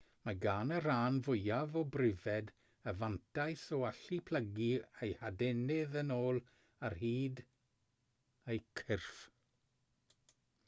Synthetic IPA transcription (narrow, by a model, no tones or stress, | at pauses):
maɡaːnəɾaːnvʊjavɔbrɪvɛd | əvantʰajsɔaɬipʰl̥əɡiejhadɛnɪðənoːlˠ | arhiːd | ejkʰɪrf